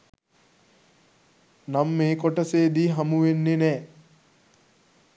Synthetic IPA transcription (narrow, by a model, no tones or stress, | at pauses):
namːeːkoʈəseːd̪iːɦamuʋenːenɛː